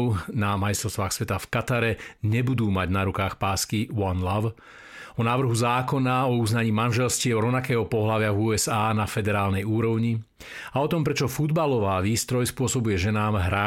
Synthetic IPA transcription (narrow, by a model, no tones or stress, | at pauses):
ʊnamajist̪ɾɔst̪ʋaːxsʋɛt̪afkat̪aɾɛɲɛbud̪uːmaɟnaɾukaːxpaːskiwɔnlaw | ɔnaːʋr̩ɦuzaːkɔnaɔuznaɲiːmanʒɛlscɪɛɔɾɔʋnakɛːɦɔpɔɦlaʋɪavuːɛzaːnafɛd̪ɛɾaːlnɛjuːɾɔʊɲi | aɔt̪ɔmpɾɛt͡ʃɔfud̪balɔʋaːʋiːst̪ɾɔjspʊɔsɔbujɛʒɛnaːmɦɾa